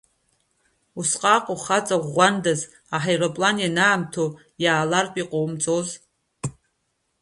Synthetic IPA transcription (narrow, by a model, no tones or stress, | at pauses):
usqʼaːqʼoχat͡sʼaʁʷandaz | aħajropʼlanjanaːmtʰo | jaːlarpʼiqʼowmt͡sʼoz